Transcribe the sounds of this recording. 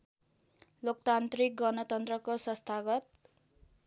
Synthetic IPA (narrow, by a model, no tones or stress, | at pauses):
lokt̪ant̪rik̚ɡʌnʌt̪ʌnt̪rʌkosʌst̪ʰaɡʌt̪̚